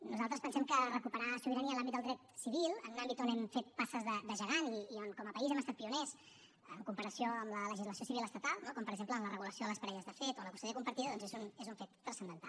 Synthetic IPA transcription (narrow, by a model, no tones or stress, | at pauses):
nuzalˠt̪ɾəspənsɛmkərəkupəɾaʃuβiɾaniəlambid̪d̪lˠd̪ɾɛt̪siβilˠənunambit̪onɛmfet̪̚pasəzðəd̪əʒəɣaniionkɔməpəizɛməst̪at̪̚piunɛs | əŋkumpəɾəsioəmlələʒizləs̬iosiβiləst̪ət̪alˠnokɔmpəɾəɡzempləːmlərəɣuləsijoðələspəɾɛʎəzðəfet̪onləkust̪əəkumpəɾt̪iðəðɔnzezunezuɱfet̪ːɾəsənd̪ənt̪a̰l